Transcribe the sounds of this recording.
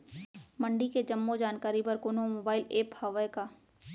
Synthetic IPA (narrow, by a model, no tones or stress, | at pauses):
mɐ̃ɳɖiked͡ʒɐmːod͡ʒaːnkaːɾipɐɾkoːnomoːbaːɪleːphaːʋəjkaː